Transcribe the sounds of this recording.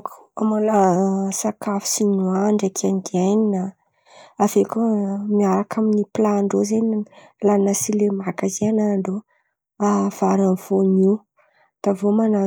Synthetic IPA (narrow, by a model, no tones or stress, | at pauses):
ku̥amalasakafi̥sinuaɳɖ͡ʐakʰanid̪iajnina | avekomiaɾakʰaminiplaɳɖ͡ʐozenlanəsilemakazianaɳɖ͡ʐo | av̥aɾamfoniw | d̪̥avomana